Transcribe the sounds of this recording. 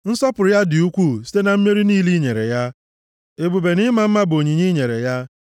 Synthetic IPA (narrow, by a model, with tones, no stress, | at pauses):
n̩˦sɔ˦pʊ˨ɾja˦dɪ˨u˦kʷu˦˨si̥˦te˦na˨m̩˦me˦ɾi˦ni˦li˦ɲe˨ɾḛ˨ja˦ | e˨bu˨be˨nɪ˦ma˨m̩˦ma˦bo˨ɲi˨ɲi˦ɲe˨ɾḛ˨ja˦